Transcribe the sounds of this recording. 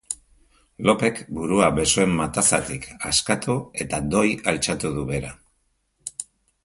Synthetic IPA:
lo̞pe̞kbuɾuaβe̞sue̞mːat̪asa̰t̪ikʰaskat̪ue̞t̪ad̪o̞jalt͡ʃat̪uðuβe̞ɾa

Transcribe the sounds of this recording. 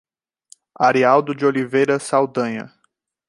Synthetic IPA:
aɾiawd̪ʊd͡ʒiolivejɾɐsawd̪ɐ̃ɲɐ̰

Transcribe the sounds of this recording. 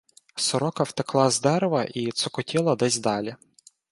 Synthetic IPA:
sɔɾɔkɐwt̪eklˠɑzd̪ɛɾʋɐʔit̪sɔkɔtʲilˠɐd̪ɛzʲd̪ɑlʲi

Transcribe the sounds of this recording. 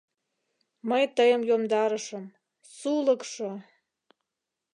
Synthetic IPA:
məjt̪əjəmjomd̪ɑɾə̆ʃəm | suləkʂŏ

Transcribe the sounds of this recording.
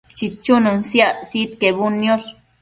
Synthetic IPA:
t͡ʃit͡ʃːunɨnsjasit̪kebunːjoɾ

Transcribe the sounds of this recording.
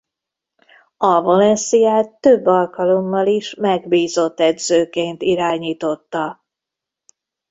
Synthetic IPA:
ɒvo̞lɛnsijaːt̪ːø̞bːɒlkɒlo̞mːɒliʃmɛɡbiːzo̞t̪ːɛd̪zøːkeːnt̪iɾaːɲiːt̪o̞t̪ːɒ

